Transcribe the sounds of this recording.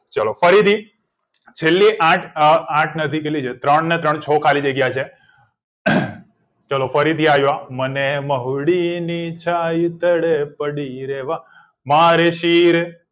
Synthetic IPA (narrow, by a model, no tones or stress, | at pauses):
t͡ʃəlofəɾit̪ʰi | t͡ʃʰelːiʔãʈʰãʈʰnət̪ʰikelid͡ʒet̪ɾəɳnet̪ɾəɳt͡ʃʰɔkʰalid͡ʒəɡjat͡ʃʰe | t͡ʃəlofəɾit̪iaʋjoaməneməɦuɽinit͡ʃʰajt̪əɽepəɽiɾeʋa | maɾeʃiɾ